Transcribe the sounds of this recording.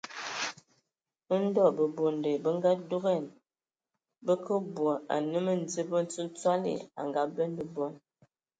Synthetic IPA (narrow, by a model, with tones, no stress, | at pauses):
ə˦n̩˦dɔ˦˨bə˨bo˨nde˨bə˦ŋ˦ɡa˦du˦ɣɛ˦˨n | bə˦kə˦bwo˨a̰˨nə˦mə˦n̩˨d͡zi˦bə˦n˦t͡su˦n˦t͡swa˦lḭ˦˨a̰˨ŋɡa˨˦bɛ˦nbə˦bɔ˦n